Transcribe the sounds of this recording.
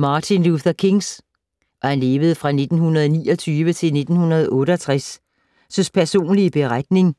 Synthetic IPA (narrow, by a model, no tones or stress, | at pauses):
mɑ̈ːt͡sʰinluθɐkʰeŋs | ʔɒhænle̝ːʋəð̞̩ˠəfʁɑ̈ne̝d̥n̩hunɐð̞̩ˠnḭːɒ̽t͡sʰyːʋət͡sʰe̝lne̝d̥n̩hunɐð̞̩ˠʔɔ̽ːɾ̥əɒ̽t͡sʰʁas | sɒspʰæɐso̝̰ːnliəb̥e̝ʁad̥̚ne̝ŋ